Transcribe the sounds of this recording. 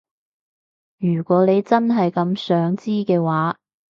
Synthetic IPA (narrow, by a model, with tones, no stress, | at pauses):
jyː˨˩kʷɔː˨˥le˨˧jt͡sɐ˥nɦɐ˨jkɐ˨˧msœː˨˥ŋt͡siː˥kɛː˧waː˨˥